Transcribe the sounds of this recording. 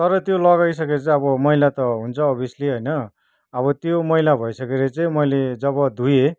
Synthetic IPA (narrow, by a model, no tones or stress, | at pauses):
t̪ʌɾʌt̪jolʌɣajsʌket͡sãʌβʌmʌɦilat̪ʌɦunt͡sʰʌːbisliɦʌjnʌ | ʌβʌt̪jomʌɦilabʱʌisʌkeɾet͡saĩmʌjled͡zʌbʌd̪ʱuje